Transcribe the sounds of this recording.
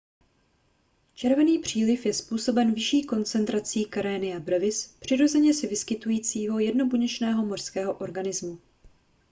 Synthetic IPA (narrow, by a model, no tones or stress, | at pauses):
t͡ʃɛɾvɛniːpr̝̥iːlɪfjɛspuːso̞bɛnvɪʃiːko̞nt͡sɛnt̪ɾat͡siːkaɾɛːnɪabɾɛvɪspr̝̥ɪɾo̞zɛɲɛsɪvɪskɪt̪ujiːt͡siːɦojɛdno̞buɲɛt͡ʃnɛːɦo̞mor̥skɛːɦo̞ʔo̞ɾɡanɪzmu